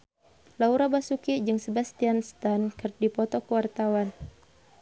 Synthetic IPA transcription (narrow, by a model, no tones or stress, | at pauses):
lauɾabasukid͡ʒɨŋsəbast̪ianst̪ankərdipɔt̪ɔkəwart̪awan